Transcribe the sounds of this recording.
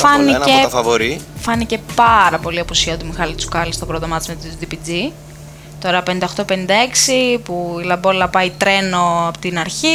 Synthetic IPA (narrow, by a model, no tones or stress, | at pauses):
fɐniefɐvoɾifɐnice̞pɐɾɐpo̞liɐpusiɐot̪umixɐlit͡su̥kɐlist̪opɾoðomɐt̪izmet̪it̪ud̪ipid͡zi | t̪o̞ɾɐpenind̪ɐxt̪o̞pe̞nind̪ɐe̞ksipuilɐbo̞lɐpɐit̪ɾe̞no̞ɐpot̪inɐɾçi